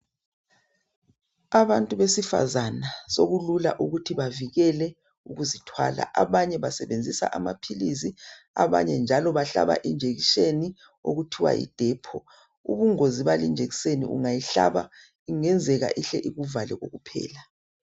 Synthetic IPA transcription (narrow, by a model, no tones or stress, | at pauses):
aβantʼuβesifa̰zanasoɣulula̰ʔuɣutʰiβaviɣɛlɛ | uɣuzitʰwa̰la̰ʔaβaɲɛβasɛβend͡zʱisa̰ʔamapʰilisi | aβa̰ɲɛnd͡ʒʱalɔβaɬa̰βa̰ʔind͡ʒʱeɣiʃeni | o̰ɣutʰiwa̰ʔḭd̥ʱɛːpʰɔ | ṵβuŋoziβalind͡ʒʱeɣisenḭʔṵŋajiɬa̰βa | iŋɛnd͡zʱɛɣa̰ʔiɬɛʔiɣuvalɛ̰ɣoɣupʰɛ̰ːla